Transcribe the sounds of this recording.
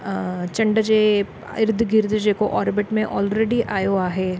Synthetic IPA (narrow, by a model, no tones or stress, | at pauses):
t͡ʃɐ̃ɳɖəd͡ʒe | ɪɾd̪ʱɡɪɾd̪d͡ʒekoʔɔːɾbɪʈmẽʔɔːlɾeːɖiʔaːjoaːɦeː